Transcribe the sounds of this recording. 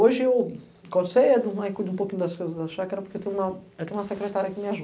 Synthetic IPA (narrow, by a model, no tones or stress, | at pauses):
oʒɪew | kãd̪seɛd̪ũmajkud̪ũpokĩɲʊd̪ɐskojzɐzd̪ɐʃakaɾɐpoɾkewt̪ẽj̃ũmɐewt̪ẽɲ̃umɐsekɾet̪aɾjɐkɪmɪaʒu